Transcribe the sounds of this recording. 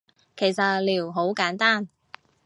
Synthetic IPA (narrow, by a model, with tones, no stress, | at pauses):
kʰe˨˩jsɐ˨t̚liː˨˩wɦo˨˥wkaː˨˥nt̪aː˥˩n